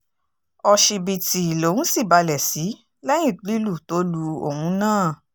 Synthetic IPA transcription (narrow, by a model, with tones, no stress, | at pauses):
ɔ˧ʃi˧bi˨ti˨i˨lo˨˦nũ˦si˦˨ba˧lɛ˨si˨˦ | lɛ̃˦ĩ˦˨k͡pli˦lu˦˨to˨˦lu˧o̰˨hũ˧˦nãː˦˨